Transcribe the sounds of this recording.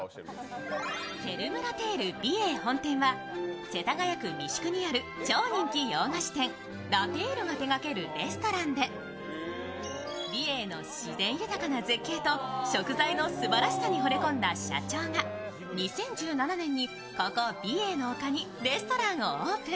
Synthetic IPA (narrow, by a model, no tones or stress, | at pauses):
se̞ɾɯ̟mɯ̟ɾat̪e̞ːɾɯ̟bʲieːhõ̞nt̪ẽ̞ɰ̃βa | se̞t̪aɡajakɯ̟mʲiɕi̥kɯ̟ɲ̟iaɾɯ̟ | t͡ɕo̞ːɲ̟ĩŋkʲijoːŋaɕi̥t̪ẽ̞ŋ | ɾat̪eːɾoɡat̪e̞ɡake̞ɾɯ̟ɾe̞sɨ̥t̪o̞ɾãnd̪e̞ | bʲie̞ːno̞ɕizẽ̞ɰ̃jɯ̟t̪akanazekːe̞ːt̪o̞ɕo̞kɯ̟zaino̞sɨbaɾaɕi̥saɲ̟iɦo̞ɾe̞kõ̞nd̪aɕa̰t͡ɕo̞ːŋa | ɲ̟isẽ̞ɲ̟d͡ʑɨːnananẽ̞ɲ̟ːi | kokobʲie̞ːno̞ːkaɲ̟i | ɾe̞sɨ̥t̪o̞ɾãɰ̃ooːkɯ̟